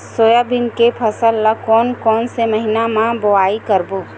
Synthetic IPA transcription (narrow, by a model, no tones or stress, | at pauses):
soːjabinkepʰɐsəlːakɔːnkɔːnseməɦinamãboaːikəɾboː